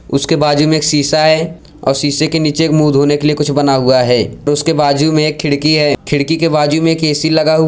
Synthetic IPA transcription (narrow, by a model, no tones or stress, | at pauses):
ʊskebaːd͡ʒumẽeːksiːsaɦɛː | ɔ̰ːɾsiːsekeniːt͡ʃeːkmuːd̪ʱɦoːnekeliekʊt͡ʃʰbɐnaɦuaɦɛːɾʊskebaːd͡ʒumẽeːkʰːɪɽkiɦɛːkʰɪɽkikebaːd͡ʒumẽeːkeːsilɐɡaɦu